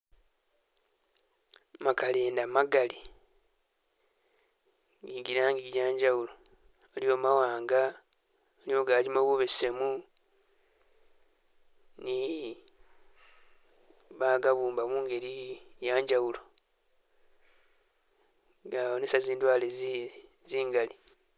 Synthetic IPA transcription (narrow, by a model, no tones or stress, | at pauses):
makaleːndamaɡali | ɡiɡiɾaːŋɡiɡiɟaːɲɟawulo̞ | eljo̞ːmawaːŋɡa | lioɡaːɾimoβoβesemu | ni | βaɡaβuːmbamuŋɡe̞ɾijaːɲɟawulo | ɡaonesaziːndwaːle | ziːŋɡali